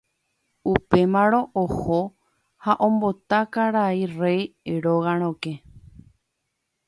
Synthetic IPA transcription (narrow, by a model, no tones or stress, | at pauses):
upe̞mãɾ̃õ̞ʔoho | haʔõ̞mbo̞t̪akaɾairejeɾoɣãɾ̃õke